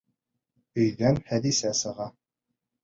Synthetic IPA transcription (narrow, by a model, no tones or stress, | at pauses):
ɵ̆jðænhæd̪isæsɤ̆ʁɑ